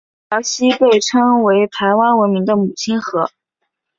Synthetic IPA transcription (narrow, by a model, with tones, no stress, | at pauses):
jɑ˧˥ʊɕi˥pe˥˩ɪʈ͡ʂʰɤ˥ŋwe˧˥ɪt̪ʰa˧˥ɪwa˥nwə˧˥nmi˧˥ŋd̪ə˧mu˨˩t͡ɕʰi˥nxɤ˧˥